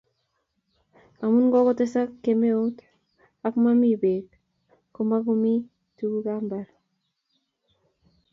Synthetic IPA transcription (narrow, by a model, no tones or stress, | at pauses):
amunɡɔkɔtesakːemeot | akmamibet | komaɡomi | tuɡuɡambaɾ